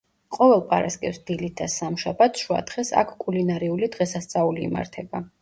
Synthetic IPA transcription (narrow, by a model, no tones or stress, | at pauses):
qʼɔvɛlˠpʼaɾaskʼɛpsd̪̥ilit̪̚d̪asamʃabat̪sʃua̰t̪χɛsa̰kʰkʼulinaɾiulid̪ʁɛsast̪sʼaulḭːma̰ɾt̪ʰɛba